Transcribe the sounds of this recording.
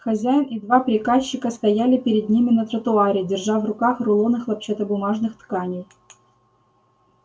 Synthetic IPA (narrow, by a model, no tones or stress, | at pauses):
xɐzʲæjɪnʔɪd̪vapɾʲɪkaɕːɪkəst̪ɐjælʲɪpʲɪɾʲɪd̪̚nʲimʲɪnət̪ɾət̪ʊaɾʲɪdʲɪrʐavrʊkaxrʊlˠonɨxlˠɐp̚t͡ɕet̪əbʊmaʐnɨxt̪kanʲɪj